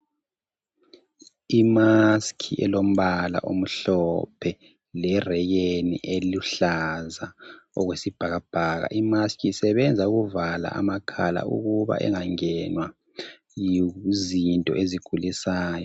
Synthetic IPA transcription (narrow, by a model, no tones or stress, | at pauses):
imaskʰiʔɛlom̩βala̰ʔom̩ɬɔpʰɛ | lɛrɛɣenḭʔeluɬazaɔɣwesib̥ʱaɣab̥ʱaːɣa̰ʔimaskʰʼiːsɛβɛnd͡zʱauɣuvala̰ʔa̰makʰala̰ṵɣuβa̰ʔɛ̰ŋaŋɛnwa | jizintʼɔ̰ʔeziɡ̥ʱulisaːjɔ